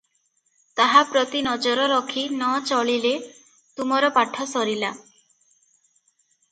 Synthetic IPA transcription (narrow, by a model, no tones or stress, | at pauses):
t̪aɦapɾɔt̪inɔd͡ʒɔɾɔɾɔkʰinɔt͡ʃɔɭile | t̪umɔɾɔpaʈʰɔsɔɾila